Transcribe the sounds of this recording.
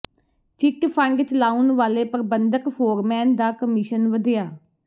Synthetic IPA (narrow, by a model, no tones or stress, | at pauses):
t͡ʃɪkpʰə̃ŋɡt͡ʃəlaːunʋaːleːpəɾbənd̪əkpʰoːɾmɛːnd̪aːkəmɪʃənʋəd̪ɪjaː